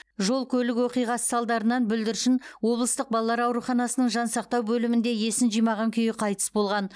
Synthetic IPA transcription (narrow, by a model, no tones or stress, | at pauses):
ʒo̞lˠkʲʰɵlɪkwo̞qijʁɑsə̥sɑlˠd̪ɑɾənɑnbʏld̪ɪɾʃɪnwo̞blˠəst̪əq̚bɑlˠlːˠɑɾɑwɾuχɑnɑsənəɴʒɑnsɑqt̪ɑwbɵlɪmɪnd̪e̞je̞sɪnʒijmɑʁɑŋkʲʰʏjɪqʰɑjt̪ə̥sbo̞lˠʁɑn